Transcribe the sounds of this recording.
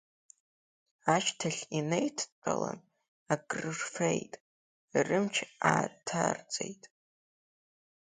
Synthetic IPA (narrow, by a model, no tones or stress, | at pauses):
aʃtʰaɬʲinejtʰt͡pʼala̰n | aɡʼrɨrfejtʼ | irɨmt͡ʃʰaːrtʰart͡sʼejtʼ